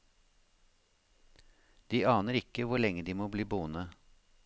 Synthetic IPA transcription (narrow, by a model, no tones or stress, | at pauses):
d̪̥iːɑːnəɾɪkəʋʊɭɛŋəd̪iːmoːbliːbuːənə